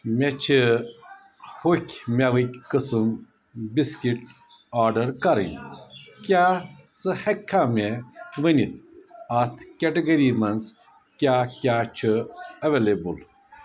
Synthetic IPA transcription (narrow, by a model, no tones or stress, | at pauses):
met͡ʃʰi | hukʰʲmʲaʋɨkʲkɨsɨm | biskiʈ | aːɾɖɐɾkɐɾɨ̰nkʲaːt͡sɨhɐkʰːaːmʲeʋɨnʲit̪ʰɐt̪ʰkʲeʈɐɡɐɾimɐnz | kʲaːkʲaːt͡ʃʰɨɐʋelebul